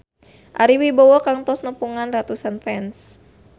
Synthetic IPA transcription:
ʔa̰ɾiwibɔwɔkaŋt̪ɔsnəpuŋanrat̪usanfɛns

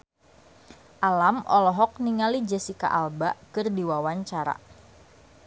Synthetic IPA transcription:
ʔalamʔɔ̰lɔɦɔk̚niŋalid͡ʒɛsika̰ʔalbaʔkɨrdiwawaɲt͡ʃaɾa̰

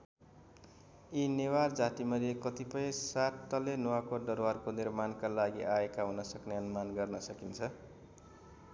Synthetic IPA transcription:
ineward͡zat̪imʌlekʌt̪ipʌjsat̪ːʌlenuwakoɖʌɾwarkonirmankalaɡiʔaekaɦunʌsʌkneʌnumanɡʌrnʌsʌkint͡sʰʌ

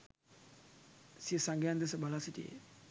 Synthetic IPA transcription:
siəsaŋɡejand̪es̬əbalasiʈḭḛ

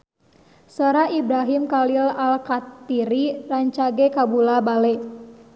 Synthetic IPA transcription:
səɾaʔibɾaɦimkalilalkat̪ːiɾiraɲt͡ʃaɡɛkabulabalɛ

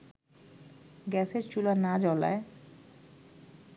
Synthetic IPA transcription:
ɡɛseɾt͡ɕulanad͡ʑɔla̰e

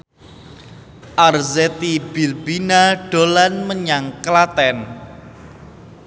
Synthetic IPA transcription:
ʔarzɛt̪ibilbinaɖ̥olanməɲaŋklat̪ɛn

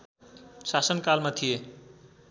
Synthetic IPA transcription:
sasənkalmat̪ʰije

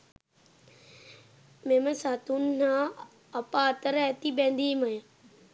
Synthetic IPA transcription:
meməsaːt̪unnãː | ɐpaːt̪əɾat̪ibẽnd̪iːməj

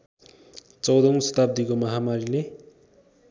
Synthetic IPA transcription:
t͡sʌwd̪ʌw̃sʌ̥t̪ab̚d̪ikomʌɦamaɾile

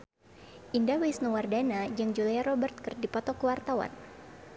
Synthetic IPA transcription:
ʔindawisnuwardanad͡ʒaŋd͡ʒulajaɾɔbərt̪̚kərdipɔt̪ɔkəwart̪awa̰n

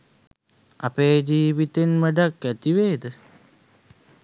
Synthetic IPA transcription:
a̰peːd͡ʒiːʋit̪enməɖakːæt̪iʋeːd̪ə

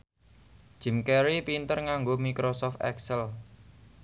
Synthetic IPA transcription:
d͡ʒ̥ɪ̤mkɛɾipint̪ərŋaŋɡomikɾosɔft̪ɛ̰ksəl

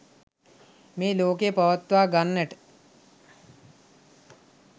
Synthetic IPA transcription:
meːloːkepɐʋət̪ːʋaːɡanːəʈə̥

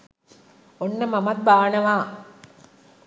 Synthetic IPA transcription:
onːəmɐmɐt̪̚baːnəʋaː

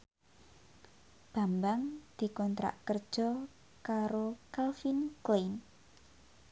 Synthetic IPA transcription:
b̥a̤mbaŋd̪̥i̤kɔnt̪ɾa̰ʔkərd̥ʒ̥ɔ | kaɾokalfinklen

